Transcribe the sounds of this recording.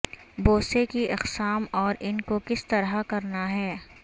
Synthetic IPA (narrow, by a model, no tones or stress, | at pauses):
boːsekiʔɪqsaːmɔːɾɪnkokɪst̪ɐɾakɐɾnaɦɛː